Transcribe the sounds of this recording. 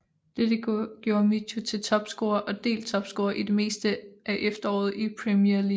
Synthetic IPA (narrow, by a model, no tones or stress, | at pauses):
d̥ed̥eɡ̥jo̝ːɐmiɕʰut͡sʰe̝lt͡sʰɒ̽b̥sɡ̥o̝ːɐʔɒ̽d̥e̝̰ːlt͡sʰɒ̽b̥sɡ̥o̝ːɐʔid̥e̝me̝̰ːsd̥əʔæʔefd̥ɐɒ̰ːð̞̩ˠipʰʁɛmjeɐli